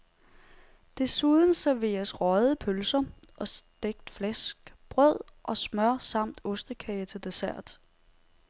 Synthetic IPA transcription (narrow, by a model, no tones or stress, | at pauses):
d̥e̝suðˠn̩sæɐʋe̝̰ːɐsʁɒðˠəpʰølsɐʔɒ̽sd̥eɡ̥d̥flæsɡ̥b̥ʁœð̰ˠʔɒ̽smɶɐ̰sɑ̈m̰d̥ɔsd̥əkʰɛɪt͡sʰe̝ld̥e̝sæɐ̰d̥